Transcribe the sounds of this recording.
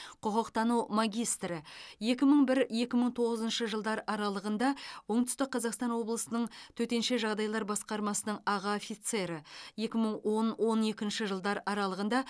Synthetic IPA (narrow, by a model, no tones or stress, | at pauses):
qʰʊqəqt̪ɑnumaɡʲijst̪ɾɪje̞kʲɪməɴbɪɾje̞kʲɪməɴt̪ʰo̞ʁəzənʃəʒəlˠd̪ɑɾəʔɑɾɑlˠəʁənd̪ɑwo̞ɴt̪ʏ̥st̪ɪk̚qːʰɑzɑqst̪ɑnwo̞blˠəsənəɴt̪ʰɵt̪e̞nʃe̞ʒɑʁd̪ɑjlˠɑɾbɑsqɑɾmɑsənəɴɑʁɑofijt̪se̞ɾɪje̞kʲɪməɴwo̞nwo̞ne̞kʲɪnʃɪʒəlˠd̪ɑɾʔɑɾɑlˠəʁənd̪ɑ